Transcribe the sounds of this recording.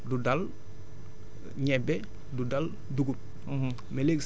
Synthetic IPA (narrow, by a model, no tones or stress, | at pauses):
dudal | ɲɛbɛ | dudal | duɡup | mɛleks